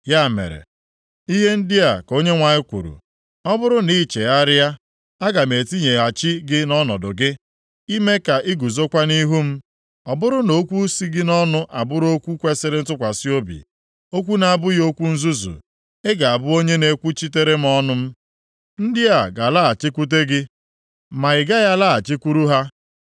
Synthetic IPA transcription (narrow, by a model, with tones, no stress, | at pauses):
ja˦˨mḛ˨ɾḛ˨ | i˦ɦe˦n̩˦dɪ˦a˨ko˦ɲe˦ŋʷa˨ɲɪ˦kʷṵ˨ɾṵ˨ | ɔ˦bʊ˦ɾʊ˦ni˦t͡ʃe˨a˦ɾɪ˦a˦ | a˦ɡa˨me˨ti˦ɲe˨a˨t͡ʃɪ˦ɡɪ˦nɔ˦nɔ˨dʊ˨ɡɪ˦ | i˦me˦ka˨ʔi˦ɡu˨zo˦kʷa˦ni˦ɦu˦m̩˦ | ɔ˨bʊ˦ɾʊ˦no˦kʷu˦si˦ɡɪ˦nɔ˦nʊ˦ʔa˨bʊ˦ɾo˦kʷu˦kʷe˦sɪ˦ɾɪ˦n̩˦tʊ˦kʷa˨sɪ˦o˦bḭ˨ | o˦kʷu˦na˨bʊ˦jo˦kʷu˦n̩˦zu˦zṵ˨ | ɪ˦ɡa˨a˨bʊ˦o˦ɲe˦ne˦kʷu˦t͡ʃi˦te˦ɾe˦m̩˦ɔ˦nʊ˦m̩˦ | n̩˦dɪ˦a˨ɡa˨la˦a˨t͡ʃɪ˦kʷu˦t̬e˦ɡɪ˦ | ma˨ɪ˨ɡa˦ja˦la˦a˨t͡ʃɪ˦kʷu˦ɾu˦ɦa˦